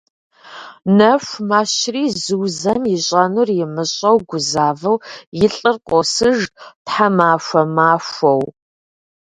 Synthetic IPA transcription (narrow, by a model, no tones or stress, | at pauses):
nɐʃʷmaːɕriːzɨwzɐmjɪɕʼɐnurjɪmɨɕʼɐwɡʷʊzaːvɨwjɪɬʼɨrqʷʼɔsɨʒtħamaːʃʷɐmaːʃʷɐw